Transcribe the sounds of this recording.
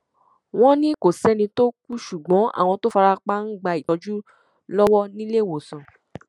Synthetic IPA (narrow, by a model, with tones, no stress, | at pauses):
w̃ɔ̃˦nĩ˦ko˨sɛ˦nĩ˧to˦k̚u˦ʃu˨ɡ͡bɔ̃˨˦ʔa̰˦˨w̃ɔ̃˧to˦fa˧ɾa˧k͡pa˦n̩˦ɡ͡ba˧i˨tɔ˧˦d͡ʒu˦ | lɔ˦wɔ˦nĩ˦le˦˨wo˨sɔ̃˨